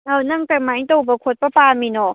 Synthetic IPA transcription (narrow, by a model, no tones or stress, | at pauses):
anɐŋkajmaiŋtowbɐkʰot̚pɐpaminɔ